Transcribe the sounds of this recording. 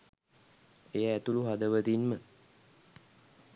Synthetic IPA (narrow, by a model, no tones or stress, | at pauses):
ejəːt̪uluɦad̪əʋət̪inmə